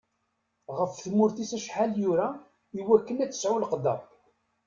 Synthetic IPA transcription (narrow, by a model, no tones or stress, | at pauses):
ʁəfθmʊɾθisæʃħaljuɾa | iwækːənæt͡sːə̥sʕulqd̪ɑ̰p